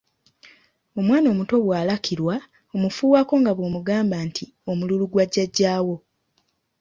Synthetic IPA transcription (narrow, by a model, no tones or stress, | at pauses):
o̞mwaːno̞ːmuto̞βwaːlakʰiɾwa | o̞mufuːwako̞ŋɡaβwomuɡaːmbaːntʰi | o̞mululuɡwaɟːaɟːaːwo̞